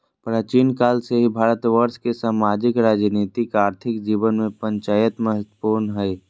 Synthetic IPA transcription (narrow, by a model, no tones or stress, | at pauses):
pɾat͡ʃiːnkaːlseɦibʱaːɾət̪ʋəɾʃkesaːmad͡ʒɪkɾaːd͡ʒnit̪ikaːɾt̪ʰɪkd͡ʒiːʋənmẽpə̃ɲt͡ʃaːjət̪məɦət̪wəpuɾnɦɛj